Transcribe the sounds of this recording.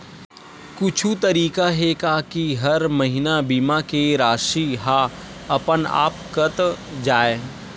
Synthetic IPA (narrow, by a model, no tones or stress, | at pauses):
kʊt͡ʃʰut̪ɐɾiːkaɦekakiɦɐɾmɐɦɪnabiːmakeɾaːʃiɦa | ɐpəna̰ːpkət̪d͡ʒaːeː